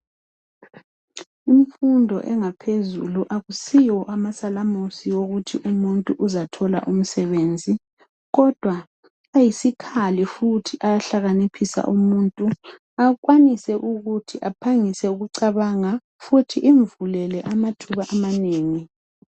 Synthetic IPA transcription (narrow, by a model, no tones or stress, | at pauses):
iɱfundʱɔ̰ʔɛŋapʰezṵluʔaɣusijɔʔamasalamusiwoɣutʰiʔumuntʼuʔuzatʰɔla̰ʔum̩sɛβend͡zʱi | ɣɔd̥ʱwa | ajisikʰalifutʰiʔajaɬaɣanipʰisa̰ʔumuntʼu | aɣwanisɛʔuɣutʰiʔapʰaŋisɛuɣuǀaβaŋa | futʰiʔiɱvulɛlɛʔamatʰuβaʔamaneːŋi